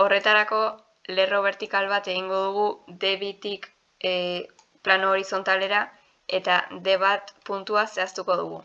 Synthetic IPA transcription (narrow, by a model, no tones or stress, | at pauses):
o̞re̞t̪aɾako̞ | le̞ro̞β̞e̞ɾt̪ikalβat̪e̞ɣ̞iŋɡo̞ð̞uɣ̞ud̪e̞βit̪ik | plano̞ːɾiso̞nt̪ale̞ɾa | e̞t̪ad̪e̞β̞at̪punt̪uase̞ast̪uko̞ðṵɣṵ